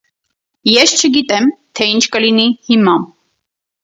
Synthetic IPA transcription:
jɛst͡ʃʰəɡit̪ʼɛmt̪ʰɛint͡ʃʰkʼəlinihimɑm

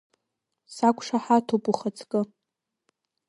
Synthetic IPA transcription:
sakʷʼʂaħatʰopʼuχat͡sʰʼkʼɨ

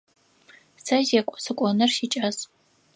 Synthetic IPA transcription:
sɐzekʷʼɔ̥sɨkʷʼɔnɨrʃit͡ʃʼɐz

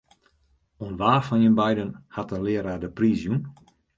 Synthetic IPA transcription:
onʋaːfɔninbɛjdənhatəlɪəɾadəpriːzjun

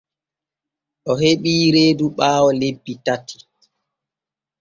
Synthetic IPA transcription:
ʔɔheɓiːɾeːduɓaːwɔlebːitatʰːi̥

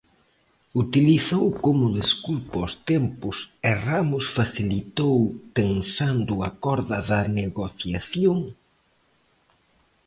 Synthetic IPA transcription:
ut̪iliθowkomʊðeskulpɔst̪empʊsɛramʊsfaθilit̪owt̪ensand̪ʊakɔɾðɐðɐneɣoθjaθjoŋ

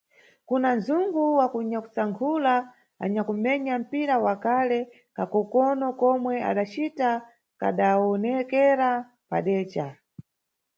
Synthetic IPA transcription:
kunanzuŋɡuwakuɲaku̥saŋkʰula | a̰ɲakumɛɲam̩piɾawakalɛ | kakɔkɔnɔkɔmwɛa̰ɗat͡ʃita | ka̰ɗaɔnɛkɛɾa | paɗɛːt͡ʃa

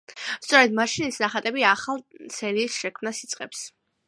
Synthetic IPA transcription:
st̪sʼɔɾɛd̪maʃinisnaχat̪ʼɛbiaχalˠt̪sʰɛɾiːsʃɛkʰmnasit̪sʼqʼɛps

